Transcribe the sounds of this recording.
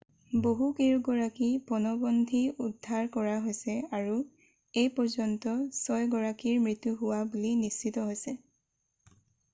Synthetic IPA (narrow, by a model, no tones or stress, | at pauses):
boɦukiɹɡɔɹakipɔnɔbɔndʱiudʱːaɹkɔɹaɦojsɛaɹu | ejpɔɹzɔntɔsɔjɡɔɹakiɹmɹitːuɦʊwabulinist͡ʃitɔɦojsɛ